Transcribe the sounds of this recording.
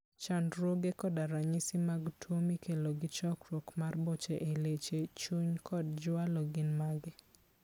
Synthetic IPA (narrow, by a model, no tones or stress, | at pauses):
t͡ʃandɾwoɡekɔdaɾaɲɪsɪmaɡtʰwomikʰeloɡɪt͡ʃɔkɾwokmarbɔt͡ʃeʔelet͡ʃet͡ʃuɲkʰɔd̚d͡ʒʊalɔɡɪnmaɡɪ